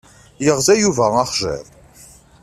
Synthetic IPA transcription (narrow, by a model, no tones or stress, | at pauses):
jəʁzæjuvæɑχʒə̰ɾ